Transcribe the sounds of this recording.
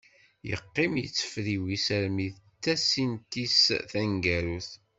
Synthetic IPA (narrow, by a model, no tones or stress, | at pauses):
jə̰qːɪmjət͡sːə̥fɾiwisəɾmiðt̪ːæsint̪isθæŋɡæɾuθ